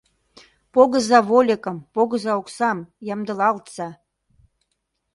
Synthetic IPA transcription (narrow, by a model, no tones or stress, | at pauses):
poɣə̆zɑβolʲekə̆mpoɣə̆zɑoksɑmjɑmd̪ə̆lɑlt̪sɑ